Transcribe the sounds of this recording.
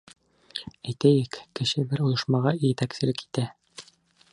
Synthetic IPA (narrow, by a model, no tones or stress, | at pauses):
æjt̪æjɘkkɘ̆ʃɘbɘɾujɤ̆ʃmɑʁɑjet̪æksɘ̆lɘki̥t̪æ